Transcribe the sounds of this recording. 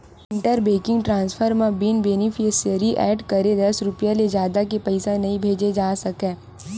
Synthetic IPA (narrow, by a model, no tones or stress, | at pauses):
ɪ̃ɳʈəɾbeːkɪ̃ŋɡʈɾãːnspʰəɾmãbɪnbeːnɪpʰesəɾiʔɛːɖkɐɾed̪ɐsɾʊpijaled͡ʒjaːd̪akepɛɪsanɐɦĩbʱeːd͡ʒed͡ʒaːsɐkẽː